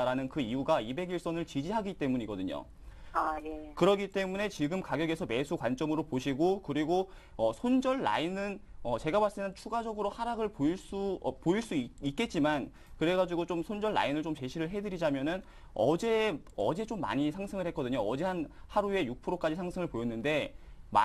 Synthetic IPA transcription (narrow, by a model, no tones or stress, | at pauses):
ɾanɯnkɯijuɡaibe̞ɡiɭs͈ʌnɯɭt͡ɕid͡ʑiɦaɡit͈e̞muɲiɡʌdɯɲo̰ | ajekɯɾʌɡit͈e̞mune̞t͡ɕiɡɯmkaɡjʌɡe̞sʰʌme̞sʰukwant͡ɕ͈ʌmɯɾopoɕʰiɡokɯɾiɡo | ʌsʰond͡ʑʌɭːa̰inɯnʌt͡ɕe̞ɡamaɭs͈eŋɦant͡ɕʰuɡad͡ʑʌɡɯɾohaɾaɡɯɭpoiɭs͈upoiɭs͈uiik̚k͈e̞t̚t͡ɕ͈iman | kɯɾe̞ɡad͡ʑuɡot͡ɕomsʰond͡ʑʌɭːa̰inɯɭt͡ɕomt͡ɕe̞ɕʰiɾɯɭɦe̞dɯɾid͡ʑamjʌnɯn | ʌ̰d͡ʑe̞ | ʌ̰d͡ʑe̞t͡ɕomːa̰ɲisʰaŋsʰɯŋɯɭhe̞k͈ʌdɯɲoʌd͡ʑeɦanhaɾue̞juk̚pʰɯɾok͈ad͡ʑisʰaŋsʰɯŋɯɭpojʌnːɯnde̞ma̰